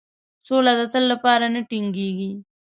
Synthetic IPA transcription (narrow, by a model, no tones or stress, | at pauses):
solad̪ɐt̪əlːapɑːɾanəʈiŋɡiɡi